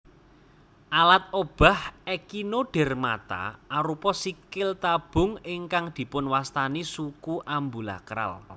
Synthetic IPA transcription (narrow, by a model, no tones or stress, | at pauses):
ʔalat̪̚ob̥a̤hɛkinoɖ̥ɛ̤rma̰t̪a̰ʔaɾupɔsikɪlt̪ab̥ʊ̤ŋɪŋkaŋd̪̥i̤pʊnwast̪anisukuʔambula̰kɾa̰l